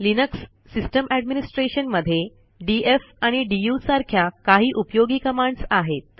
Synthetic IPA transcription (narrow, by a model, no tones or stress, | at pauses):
linəksː | isʈəmʔæɖminisʈɾeɕənməd̪ʱːje | ɖiefaɽ̃iɖijusaɾkʰjakaɦiːʔupjoɡiːkəmaɳɖsaɦet̪̚